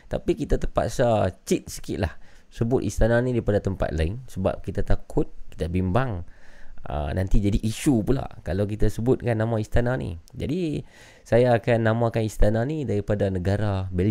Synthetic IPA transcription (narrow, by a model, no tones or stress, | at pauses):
t̪a̰pikit̪at̪ərpa̰ksat͡ʃit̪̚sə̥kḭʔ̪la̰hsəbʊt̪ist̪ananidaɾipadat̪əmpa̰t̪̚la̰ɪŋsəba̰p̚kit̪at̪akʰʊt̪̚ki̥t̪abimbaŋ | ə̰nʔant̪id͡ʒadiʔːʃupula̰ʔkalawk̬it̪asəbʊt̪̚kanːamãist̪ananḭ̃d͡ʒa̰di | sajaːkanːamãkanist̪ananidaɾipadanəɡaɾabɛl